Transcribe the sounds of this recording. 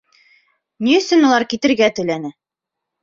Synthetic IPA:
niɵ̆sɵnulˠɑɾkit̪ɘ̆ɾɡæt̪ɵ̆lænɘ

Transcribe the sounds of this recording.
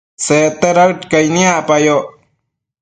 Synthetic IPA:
set̪eɾawt̪kajnĩaʔpajo

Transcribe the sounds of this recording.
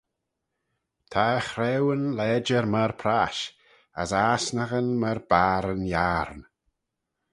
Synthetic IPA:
tʰaxɾɛwənlɛːd͡ʒəɾməɹpʰɾaʃ | ə̰saːsnəɣənməɾb̥aːɾənjaːɾn

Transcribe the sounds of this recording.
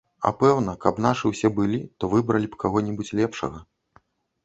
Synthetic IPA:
ɐ̰pɛwnɐkɐpnaʂɨwsʲɛbɨlʲit̪ɔvɨbɾɐlʲipkaɣɔnʲibut͡sʲlʲɛpʂɐ̰ɣɐ

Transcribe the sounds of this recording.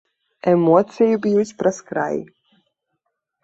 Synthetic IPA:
ɛmɔɔt̪sʲɛjbijusʲpɾaskɾa̰j

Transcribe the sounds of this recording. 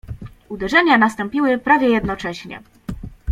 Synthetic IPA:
ud̪ɛʐɛɲanast̪ɔmpʲiwɘpɾavʲjɛjɛd̪nɔt͡ʂɛɕɲɛ̰

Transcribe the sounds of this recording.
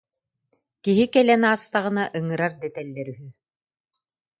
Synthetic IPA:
kiɦikɛlɛnaːst̪aʁɯ̆naʔɯŋɯɾaɾd̪ɛt̪ɛlːɛɾyɦy

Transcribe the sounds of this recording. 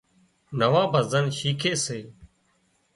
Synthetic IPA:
nəʋãːbʱəzənʃiːkʰeːseː

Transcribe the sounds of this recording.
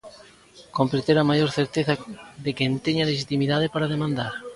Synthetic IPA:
kompɾet̪eɾamajoɾθeɾt̪eθaðekɛnt̪eɲaleʃit̪imiðaðepaɾað̞emãnd̪aɾ

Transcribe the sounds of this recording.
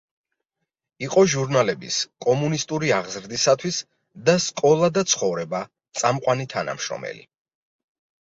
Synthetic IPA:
iqʼɔʒuɾnalɛbḭskʼɔmunist̪ʼuɾiaʁzɾd̪isat̪ʰwis | d̪askʼɔlˠad̪at̪sʰχɔvɾɛba | t̪sʼamqʼwanit̪ʰana̰mʃɾɔ̰mɛ̰lḭ

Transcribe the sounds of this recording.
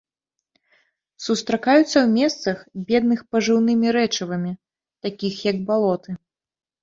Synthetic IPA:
sust̪ɾakajut̪sːɐwmʲɛst̪sɐxbʲɛd̪̚nɨxpɐʐɨwnɨmʲiɾɛt͡ʂɐvɐmʲi | t̪akʲixjɐɡ̚balˠɔt̪ɨ

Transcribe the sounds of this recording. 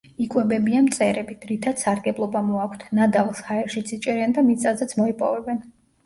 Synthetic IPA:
ikʼwɛbɛbiamt̪sʼɛɾɛbid̪̥ɾit̪ʰad̪̥saɾɡɛblˠɔbamɔakʷʰt̪ʰnad̪avlˠshaɛɾʃit̪sʰit͡ʃʼɛɾand̪amit̪ʼazɛt̪sʰmɔipʼɔ̰vɛbɛn

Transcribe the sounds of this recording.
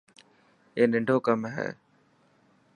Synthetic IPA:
eːnɪɳɖʱoːkəmɦɛ̰ː

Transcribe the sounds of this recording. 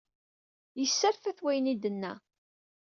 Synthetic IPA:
jəsːəɾfæθwæjənid̪ənːæ̰

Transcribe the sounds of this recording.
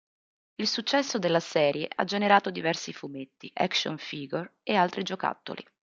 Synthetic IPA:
ilsut͡ʃːɛsːod̪elːasɛːɾjeʔa̰d͡ʒeneɾaːt̪od̪ivɛrsifumet̪ːiʔa̰kso̰nfiːɡorealt̪ɾid͡ʒoka̰t̪ːo̰lḭ

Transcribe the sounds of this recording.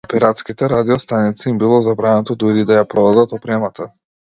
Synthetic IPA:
ɔpɛɾat̪skit̪ɛɾad̪iɔst̪anit̪siimbilˠɔzabɾanat̪ɔd̪uɾid̪ajapɾɔd̪ad̪at̪ɔpɾɛmat̪ʰa

